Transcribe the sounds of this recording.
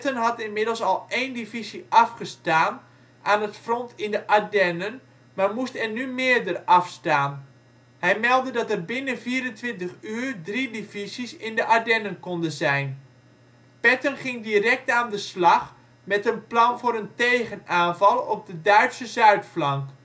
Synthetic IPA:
tənɦɑtɪnmɪdəlˠsɑlˠejndivisiʔɑfχəstaːn | ʔaːnətfrɔntʰɪndəʔadɛnən | maːrmustɛrnymɪərdərɑfstaːn | hɛjmɛlˠdədɑtərbɪnənviːəɾəntʋɪntəχyːrdridivisisɪndəʔadɛnənkɔndəzɛjn | pɛtənχɪŋdirɛk̚taːndəslɑχ | mɛtənplɑnvʊːɾəntejχənaːnvɑlˠɔp̚dədœɥtsəzœɥtflɑŋk

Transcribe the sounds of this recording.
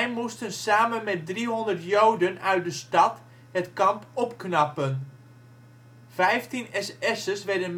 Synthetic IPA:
ɛjmustənsaːmənmɛt̚driɦɔndərtjowdənœɥt̚dəstɑt | hətkɑmpɔpknɑpən | vɛjftinɛsɛsəsʋɛɹdən

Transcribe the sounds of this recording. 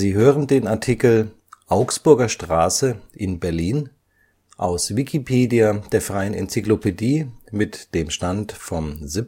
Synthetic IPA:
ziːɦøːʁəndeːnaɐtʰikl̩ | ʔaʊksb̥ʊɐɡɐʃtʁ̥aːsəʔɪnbɛɐliːn | ʔa̰ʊsvikʰipʰeːdiad̥eːɐfʁ̥aɪənɛ̰nt͡siklopediːmɪtd̥eːmʃtantfɔmzɪp

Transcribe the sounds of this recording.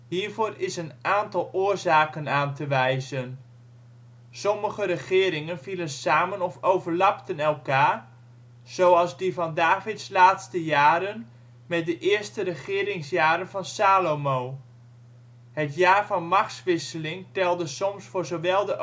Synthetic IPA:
ɦiːɹvoːrɪsənaːntɑlˠʊːɹzaːkənaːntəʋɛjzən | sɔməχəɾəχɪːɾɪŋənvilənsaːmənɔfowvəɹlɑptənɛlˠkaːr | z̥owɑlˠzdivɑndaːvɪtslaːtstəjaːɾən | mɛt̚dəʔɪːɹstərəχɪːɾɪŋsjaːɾənvɑnsaːlomow | ɦətjaːɹvɑnmɑksʋɪsəlɪŋtɛlˠdəsɔmsfʊːɹzowʋɛlˠdə

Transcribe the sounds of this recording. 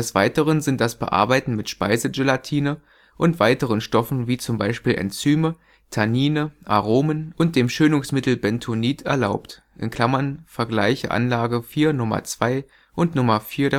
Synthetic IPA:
dɛsv̥aɪtəʁ̞ənzɪnt̚d̥asb̥ə̰ʔa̰ɐbaɪtn̩mɪtʃpa̰ɪzəd͡ʒelatʰiːnə | ʔʊntv̥aɪtəʁ̞ənʃtɔfn̩viːt͡sʊmbaɪʃpiːlʔɛ̰nt͡syːmə | tʰaniːnəʔaʁoːmənʔʊnt̚d̥eːmʃøːnʊŋsmɪtl̩bɛntʰoniːtʰɛ̰ɐlaʊpt | ʔɪ̰nkl̥amɐnfɛɐɡla̰ɪçə̰ʔa̰nlaːɡəfiːɐnʊmɐ̰t͡sv̥aɪ | ʔʊntnʊmɐfiːɐɾɛ

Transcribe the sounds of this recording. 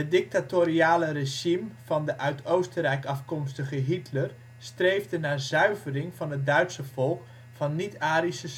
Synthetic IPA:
ədɪk̚tatoɾiaːləreʒimvɑndəʔœɥtʰowstəɾɛjkɑfkɔmstəχəɦitʰlər | strejvdənaːzœɥvərɪŋvɑnɦət̚dœɥtsəvɔlˠk | fɑnːitaːɾisəs

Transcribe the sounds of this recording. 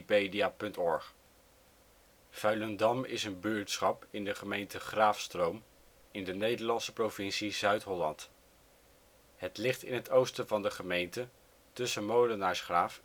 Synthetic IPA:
pejdiaːpɵntɔɹχ | fœɥləndɑmɪ̰sənbyɹtsχɑpɪndəχəmejntəχraːfstrowm | ɪndənejdəɹlɑnsə̥provɪnsizœɥtɦɔlɑnt | ɦətlɪχtɪ̰nɦətowstəvɑndəχəmejntə | tɵsəmowlənaːɹsχraːf

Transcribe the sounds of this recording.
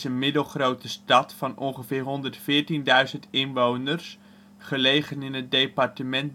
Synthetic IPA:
ənmɪdəlˠχrowtəstɑtfɑnɔnχəvɪːɹɦɔndərtfɪːɹtindœɥzəntɪnʋownərs | χəlejχənɪnət̚dejpɑrtəmɛnt̚

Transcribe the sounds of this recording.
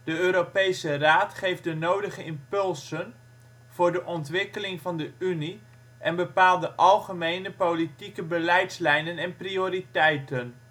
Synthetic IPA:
d̥əøːɾopejsəraːtχejfdənowdəχəɪmpɵlˠsən | v̥ʊːɹdəʔɔntʋɪkəlɪŋvɑndəyni | ʔɛnbəpaːlˠdəʔɑlˠχəmejnəpowlitikəbəlɛjtslɛjnənɛnprioːɾitɛjtən

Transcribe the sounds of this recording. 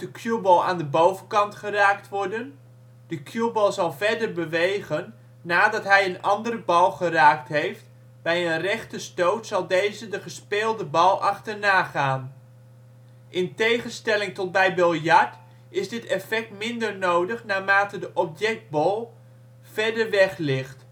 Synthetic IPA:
d̥əkʰjubɔlˠa̰ːndəbowvənkɑntχəraːktʋɔɹdən | d̥əkʰjubɔlˠzɑlˠvɛɹdərbəʋejɣənː | aːdɑtɦɛjənɑndəɾəbɑlˠχəraːk̚tɦejft | bɛjənrɛχtəstowtsɑlˠdejzədəχəspeːlˠdəbɑlˠɑχtərnaːχaːn | ʔɪntejχənstɛlɪŋtɔt̚bɛjbølˠjɑɹt | ɪzdɪtɛfɛk̚tmɪndərnowdəχnaːmaːtədəʔɔpjɛk̚d̚bɔlˠ | v̥ɛɹdəɹʋɛχlɪχt

